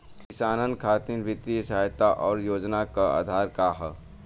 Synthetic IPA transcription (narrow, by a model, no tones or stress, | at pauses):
kɪsaːnənkʰaːt̪inʋɪt̪ːisajt̪aʔɔːɾjoːd͡ʒnakaa̰ːd̪ʱaːɾkaɦə